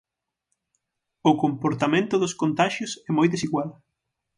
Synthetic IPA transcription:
ʊkompoɾt̪amẽnt̪ʊðʊskont̪aʃjʊsɛmojðesiɣwal

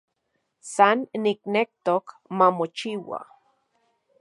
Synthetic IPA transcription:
sanːiknek̚t̪ok | mamot͡ʃiwa̰

